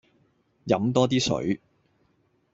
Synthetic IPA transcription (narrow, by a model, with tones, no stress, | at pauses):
jɐ˨˥mt̪ɔː˥t̪iː˥sɵ̰˨˥ɥ